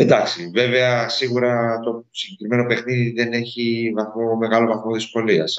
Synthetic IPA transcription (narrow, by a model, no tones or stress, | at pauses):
end̪ɐksive̞ve̞ɐsiɣuɾɐt̪o̞siɲɟe̞kɾime̞no̞pe̞xniðiðe̞ne̞çivɐθmo̞me̞ɣɐlo̞vɐθmo̞ðisko̞liɐs